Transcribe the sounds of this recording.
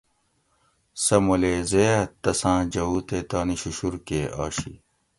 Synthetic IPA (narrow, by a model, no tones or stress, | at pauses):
sɐmuleːzeːɐt̪ːɐsãːd͡ʑɐuːt̪et̪aːniɕuɕuɾkeːʔa̰ːɕḭ